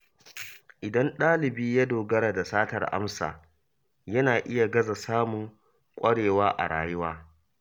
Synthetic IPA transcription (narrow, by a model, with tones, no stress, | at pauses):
ʔɪ˨dɐ˦nɗaː˦lɪ˨biː˦ja˦doː˨ɡɐ˦ɾaː˨da˨saː˦tɐ̰˨rʔa̰˦msa̰ː˨ | jɐ˦naː˨ʔɪ˦ja˨ɡɐ˦za˨saː˦mʊ˨ŋ | kʷʼɐ˦ɽeː˨waː˦ʔa̰˨ɽa̰ː˨jɪ˦waː˦